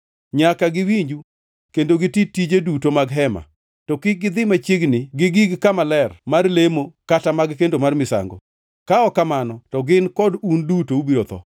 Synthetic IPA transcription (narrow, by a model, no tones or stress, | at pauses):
ɲakaɡɪwiɲd͡ʒu | kendoɡɪtitid͡ʒedutomaɡɦɛma̰ | tɔkɪɡɪd̪ɪmat͡ʃɪɡnɪɡɪɡiɡkamalɛrmarlemokatamaɡkendomarmɪsa̰ŋɡo̰ | kaɔkamanɔtɔɡɪnkɔdundutoubiɾot̪ɔ̰